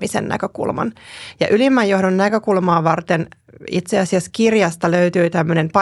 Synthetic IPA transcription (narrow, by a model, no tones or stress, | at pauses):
isḛnnæ̰køkṵlmɑ̰njɑʔylimːæjohdonnækøkulmɑːʋɑrt̪en | it̪seɑsiæskirjɑst̪ɑløyt̪yːt̪æmːøne̞mpɑ